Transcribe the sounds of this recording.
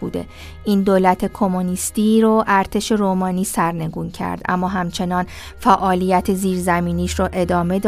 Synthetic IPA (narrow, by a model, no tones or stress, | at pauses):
bṵːd̪e̞̰ | ʔiːnd̪oːlæt̪ʰe̞kʰo̞monist̪iːɾoʔæɾt̪ʰe̞ʃe̞ɾoːmɒːniːsæɾne̞ɡuːncʰæ̰ɾd̪ʔæ̰mːɒːɦæmt͡ʃʰe̞nɒːn | fæʔɒːlijæt̪ʰeziːɾzæmiːniːʃɾoʔe̞d̪ɒːme̞d̪